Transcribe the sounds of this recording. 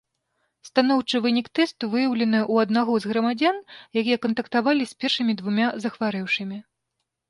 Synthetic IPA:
st̪anɔwt͡ʂɨvɨnʲikt̪ɛst̪uvɨjɐwlʲɛnɨjʔuɐd̪naɣɔzɣɾɐmad͡zʲanjakʲijɛkɐnt̪ɐkt̪avalʲisʲpʲɛrʂɨmʲid̪vumʲazɐxvaɾɛwʂɨmʲi

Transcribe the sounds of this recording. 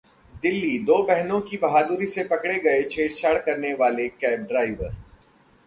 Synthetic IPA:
d̪ɪlːid̪oːbɛɦnõkibɐɦaːd̪uɾisepɐkɽeɡɐet͡ʃʰeːʈʃaːɽkɐɾneʋaːlekɛːb̚ɖɾaːɪʋəɾ

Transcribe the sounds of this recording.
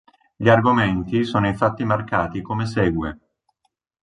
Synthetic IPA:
ʎiarɡoment̪isoːnoiɱfat̪ːimarkaːt̪ikomesɛːɡwḛ

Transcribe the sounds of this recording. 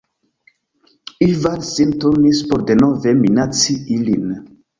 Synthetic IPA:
ivansintonispoɾde̞no̞ve̞minat͡siilin

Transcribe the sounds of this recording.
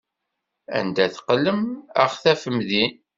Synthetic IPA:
æ̰nd̪æθqəlːəmə̰χθæfəmðin

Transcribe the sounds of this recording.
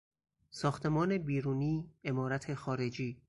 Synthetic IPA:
sɒːxt̪ʰe̞mɒːne̞biːɾuːniːe̞mɒːɾæt̪ʰe̞xɒːɾe̞d͡ʒiː

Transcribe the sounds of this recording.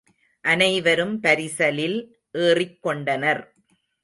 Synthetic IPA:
ʔɐnɐɪʋɐɾɯmpɐɾɪsɐlɪl | ʔeːrɪkːɔɳɖɐnɐɾ

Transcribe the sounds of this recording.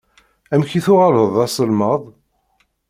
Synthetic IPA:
æmçiθʊʁaləðˤɑsˤəlməðˤ

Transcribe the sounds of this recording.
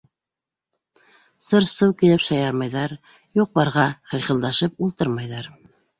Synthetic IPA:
sɤɾsɤwkilɘpʃɑjɑɾmɑjðɑɾ | juq̚bɑɾʁɑχɤ̆jχɤ̆lˠd̪ɑʃɤp̚ulˠt̪ɤɾmɑjðɑɾ

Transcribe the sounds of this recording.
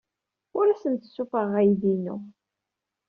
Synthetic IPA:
ʊɾæsənt̪ə̥sːufəʁæjðinṵ

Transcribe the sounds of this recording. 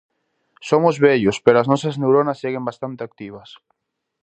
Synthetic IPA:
somʊzβɛʎʊspeɾoaznɔsɐznewɾonɐsːeɣembast̪ant̪eak̚t̪iβ̞ɐs

